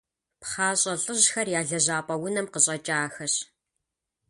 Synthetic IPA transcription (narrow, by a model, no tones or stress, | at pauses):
pχaːɕʼɐɬʼɨʑxɐrjaːɮɐʑaːpʼɐwʊnɐmqəɕʼɐt͡ʃʼaːxɐɕ